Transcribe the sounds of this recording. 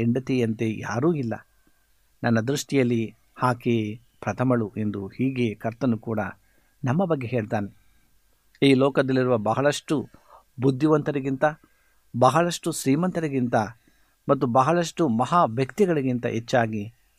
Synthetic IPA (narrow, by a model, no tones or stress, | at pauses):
eɳɖɐt̪iɐnt̪e̞ja̰ːɾuːilːɐ̰ | nɐnːɐd̪ɾuʂʈijɐlːi | haːkeː | pɾɐt̪ʰɐmɐɭuʔe̞nd̪uhiːɡe̞ːkɐɾt̪ɐnukuːɽɐ̰ | nɐmːɐbɐɡːe̞ɦe̞ːɭt̪aːne | iːlɔːkɐd̪ɐlːiɾuʋɐbɐɦɐɭɐʂʈu | bud̪ʱːiʋɐnt̪ɐɾiɡint̪ɐ | bɐɦɐɭɐʂʈusɾiːmɐnt̪ɐɾiɡint̪ɐ | mɐt̪ːubɐɦɐɭɐʂʈumɐɦaːʋjɐkt̪iɡɐɭɐɡint̪ɐ̰ʔet͡ʃːaːɡi